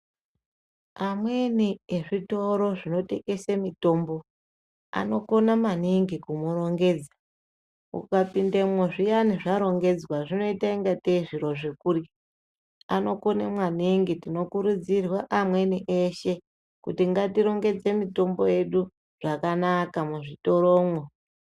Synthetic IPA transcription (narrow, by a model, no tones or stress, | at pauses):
amwe̞nieʐito̞ɾo̞ʐino̞te̞kesemito̞ːmbo̞ | a̰no̞ko̞namaniŋɡikumuro̞ŋɡe̞d͡za | ṵkapindemwoʐijaniʐaɾo̞ŋɡe̞d͡zwaʐino̞itaiŋɡateiʐiɾo̞ʐekuːri | ano̞ko̞nemwaniŋɡitino̞kuɾud͡zirwaʔamwe̞niʔeʃe̞ | kutiŋɡatiɾo̞ŋɡe̞d͡ze̞mito̞mbo̞je̞ɗu | ʐ̥akanakamuʐito̞ɾo̞ːmwo